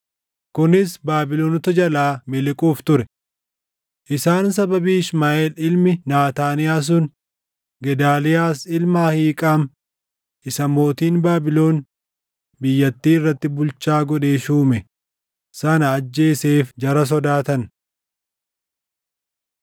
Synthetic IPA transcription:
kʊnɪsbaːbɪloːnɔt̪ɐd͡ʒɐlaːmɪlɪkʼuːft̪ʊɾɛ | ʔɪsaːnsɐbɐbiːɪsmaːʔeːlɪlmɪnaːt̪aːnɪjaːs̬ʊn | ɡɛd̪aːlɪjaːsɪlmaːhiːkʼaːm | ʔɪsɐmo̞ːt̪iːnbaːbɪlo̞ːn | bɪjːɐt̪ːiːɪrːɐt̪ːɪbʊlt͡ʃaːɡɔᶑeːʃuːmɛ | sɐnɐːd͡ʒːe̞ːseːfd͡ʒɐɾɐs̬ɔd̪aːt̪ɐn

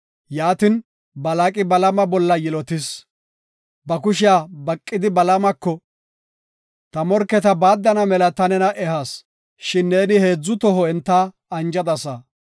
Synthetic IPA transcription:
jaːt̪ɪn | bɐlakʼɪbɐlɐmɐbɔlːɐjɪlɔt̪ɪs | bɐkʊʃɪjabɐkʼːɪd̪ɪbɐlɐmɐkːɔ | t̪ɐmɔɾkːɛt̪ɐbaːd̪ːɐnɐmɛlɐt̪ɐnɛnɐʔɛhas | ʃɪnːe̞ːnɪhe̞ːd͡zːʊt̪ɔɦɔɛnt̪ːa | ɐnd͡ʒɐd̪ɐsɐ

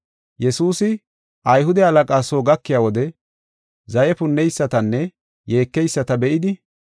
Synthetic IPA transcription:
jɛsuːsɪ | ɐjɦʊd̪ɛɐlɐkʼaːsoːɡɐkːɪjaːwɔd̪ɛ | zɐjɛpʊnːɛjsːɐt̪ɐnːɛ | je̞ːkːɛjsːɐt̪ɐbɛʔɪd̪ɪ

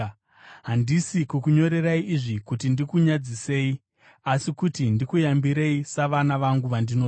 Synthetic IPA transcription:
ɦandisikukuɲo̞ɾe̞raiʔːʐikutindikuɲad͡zise̞ːi | asikutindikujambiɾe̞isaʋanaʋaŋɡuʋandino

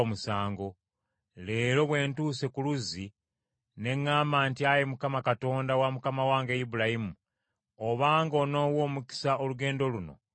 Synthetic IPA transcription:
omusaːŋɡo̞ | le̞ːɾo̞βwe̞ːntuse̞kuluzi | ne̞ŋːaːmaːntiajemukamakato̞ːndawamukamawaːŋɡejibulahimu | oβaːŋɡo̞no̞wo̞ːmuki̥saoluɡe̞ːndo̞luno̞̰

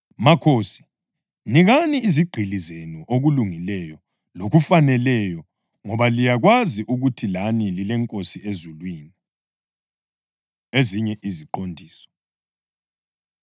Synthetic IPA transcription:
makʰoːsi̥ | niɣaniːziɡ͡ǃʱilizenuʔoɣuluŋilɛjɔ | loɣufanɛlɛjɔ | ŋɔβalijaɣwaziʔuɣutʰilanililɛŋkʼosiezulwiːni | eziɲɛʔiziǃondʱiːsɔ̥

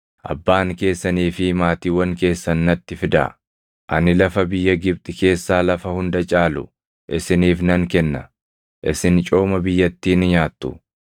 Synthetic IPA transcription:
ʔɐ̰bːaːŋke̞ːsːɐniːfɪmaːt̪iːwɐŋke̞ːsːɐnːɐt̪ːɪfɪd̪ɐ̰ | ʔɐnɪlɐfɐbɪjːɐɡɪb̚t̪ʼɪke̞ːsːaːlɐfɐhʊnd̪ɐt͡ʃʼaːlʊ | ʔɪsɪniːfnɐŋkɛnːɐ | ʔɪsɪnt͡ʃʼo̞ːmɐbɪjːɐt̪ːiːnɪɲaːt̪ːʊ̰

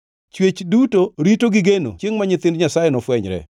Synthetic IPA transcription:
t͡ʃwet͡ʃdutoɾitoɡɪɡeno̰t͡ʃjeŋmaɲɪt̪ɪndɲasajenɔfwɛɲɾɛ̰

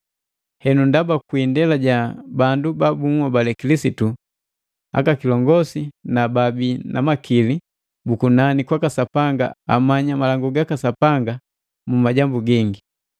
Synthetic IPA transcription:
hɛnundabakwindɛlaɟabandubabumabalɛkilisitu | a̰kakilɔŋɡɔsinababinʔa̰makili | bukunanikwakasapaŋɡa̰a̰maɲamalaŋɡuɡakasapaŋɡa | mumaɟambuɡiŋɡi

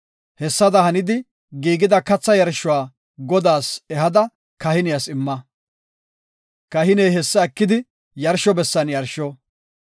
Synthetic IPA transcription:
hɛsːɐd̪ɐhɐnɪd̪ɪ | ɡiːɡɪd̪ɐkɐt͡sːɐjɐɾʃʊwaː | ɡɔd̪aːsɛɦɐd̪ɐ | kɐhɪnɪjɐsɪmːɐ | kɐhɪnejɦɛsːɐɐkːɪd̪ɪ | jɐɾʃɔbɛsːɐnjɐɾʃɔ

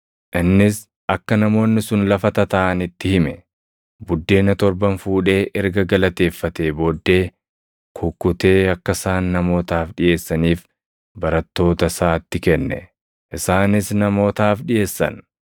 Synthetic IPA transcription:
ʔɪnːɪs | ɐkːɐnɐmo̞ːnːɪsʊnlɐfɐt̪ɐt̪ɐʔɐnɪt̪ːɪhɪmɛ | bʊd̪ːe̞ːnɐt̪ɔɾbɐnfuːᶑe̞ːʔɛɾɡɐɡɐlɐt̪e̞ːfːɐt̪e̞ːbo̞ːd̪ːe̞ː | kʰʊkːʊt̪e̞ːɐkːɐsaːnːɐmo̞ːt̪aːfᶑɪje̞ːsːɐniːf | bɐɾɐt̪ːo̞ːt̪ɐsaːt̪ːɪkɛnːɛ̰ | ʔɪsaːnɪsnɐmo̞ːt̪aːfᶑɪje̞ːsːɐ̰n

